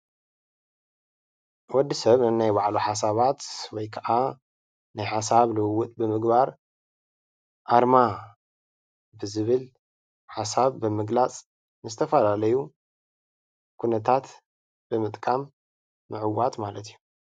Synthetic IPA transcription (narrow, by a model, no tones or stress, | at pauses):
wɔd̪ːisɐβɨnajbaʕloħasaβat̪wɔjkʰɐʔa | najħasaβlɨwwːʊt̪ʼbɨmɨɡbaɾ | ʔaɾma | bɨzɨβɨl | ħasaβːɨmɨɡlat͡sʼ | nɨzɨt̪ʰɐfɐlalɐju | kʰunɐt̪ʰat̪ | b̥ɨmɨt̪ʼkʼamː | ɨʕɨwːat̪malɐt̪ʰijːu